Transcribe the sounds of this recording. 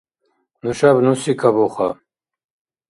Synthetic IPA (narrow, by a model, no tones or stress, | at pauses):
nuʃabnusikʰabɔχa